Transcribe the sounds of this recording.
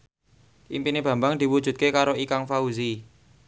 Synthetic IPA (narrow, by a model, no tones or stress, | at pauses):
ʔimpineb̥a̤mbaŋd̪̥i̤wu̥d͡ʒ̥ṳt̪̚kekaɾoikaŋfauzi